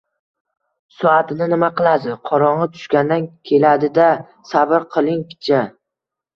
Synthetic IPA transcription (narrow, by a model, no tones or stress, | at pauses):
sɒat̪ʰɪnɪnɪmaqɨlˠad̪ɪqʰɒɾɒɴɑt̪ʰʊ̥ʃkʲand̪ankʲʰe̞lad̪ɪd̪a | sabɪɾqʰɨlˠɪŋkʲt͡ʃʰa